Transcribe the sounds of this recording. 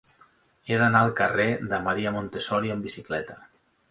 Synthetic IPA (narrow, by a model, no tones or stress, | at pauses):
eðənaəlˠkəreðəməɾiəmont̪esɔɾiəmbisiklɛt̪ə